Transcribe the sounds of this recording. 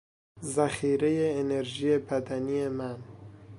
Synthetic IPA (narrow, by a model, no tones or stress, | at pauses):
zaxiːɾejeːneɾʒijepʰæd̪anijeman